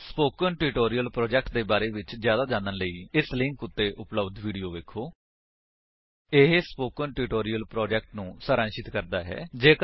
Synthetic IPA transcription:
spoːkənʈuʈoːɾijəlpɾɔːd͡ʒɛːk̚ʈ̚d̪eːbaːɾeːʋɪt͡ʃzjaːd̪aːd͡ʒãːnənləiːɪslɪ̃ŋkʊt̪ːeːʔʊpləbd̪ʋiːɖijoːʋeːkʰoː | ɪɦespoːkənʈuːʈoːɾijəlpɾoːd͡ʒɛːk̚ʈnũːsəɾãːnʃɪt̪kəɾd̪aːɦɛ̰ːd͡ʒeːk

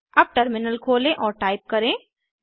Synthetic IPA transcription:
ɐb̚ʈɐɾmɪnəlkʰoːlẽʔɔːɾʈaːɪp̚kɐɾẽː

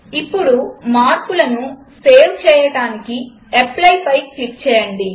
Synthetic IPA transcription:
ipːuɽumaːɾkulɐnu | seːwt͡ʃɛːjɐɽaːniki | eplɐjpɐjklikt͡ʃɛːjɐɳɖi

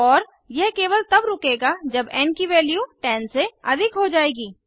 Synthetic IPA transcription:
ɔːɾ | jɛɦkeːʋəlt̪ɐbɾʊːkeːɡad͡ʒɐbɛ̃ːnkiʋɛːljuʈɛːnseɐd̪ʱɪkɦod͡ʒaːeːɡiː

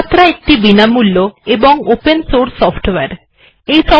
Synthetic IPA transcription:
t̪ːɾaek̚ʈibinamulːoeboŋopensoɾsɔpʰʈweɾ | ejsɔ

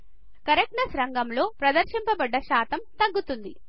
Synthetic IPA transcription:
kɐɾek̚nɐsɾɐŋɡɐmlo̞ːpɾɐd̪ɐɾʃimpɐbɐɖːɐʃaːt̪ɐmt̪ɐɡːut̪und̪i

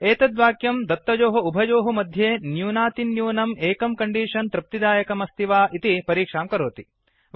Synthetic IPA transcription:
eːt̪ɐd̪ʋaːkjɐmd̪ɐt̪ːɐd͡ʒoːɦɐubʱɐd͡ʒoːɦɐmɐd̪ʱjeːnjuːnaːt̪injuːnɐmeːkɐmkɐɳɖiːʂɐnt̪ɾɐp̚t̪id̪aːjɐkɐmɐst̪ʰiʋaːʔit̪ipɐɾiːkʂaːmkɐɾoːt̪i

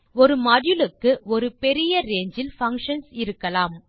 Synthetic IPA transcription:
ɔɾɯmɐɽjɯlɯkːɯɔɾɯpɛɾɪjɐɾeːɲd͡ʒɪlfɐŋkʂɐnsɪɾɯkːɐlaːm

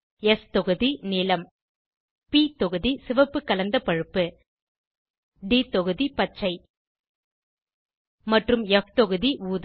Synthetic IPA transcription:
ɛst̪ɔɣɯðiniːlɐm | pit̪ɔɣɯðisɪʋɐpːɯkːɐlɐnd̪ɐpɐɻɯpːɯ | ɖiːt̪ɔɣɯðipɐt͡ʃːɐɪ | mɐʈrɯmɛft̪ɔɣɯðiuːð

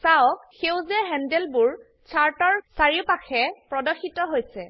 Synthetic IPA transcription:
saɔkxewzɛɦɛndɛlbʊɹ | t͡ʃʰaɹtɔɹsaɹipaxʰɛpɹɔdɔxitɔɦojsɛ

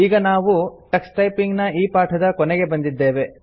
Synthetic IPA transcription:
iːɡɐnaːʋuʈɐksʈɐjpiŋɡnɐiːpaːʈʰɐd̪ɐkɔnɛɡe̞bɐnd̪id̪ːe̞ːʋe̞

